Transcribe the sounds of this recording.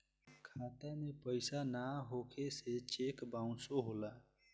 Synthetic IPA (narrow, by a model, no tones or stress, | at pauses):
kʰaːt̪enẽpəɪsanaɦokʰeset͡ʃeːkbaʊ̃soɦoːlaː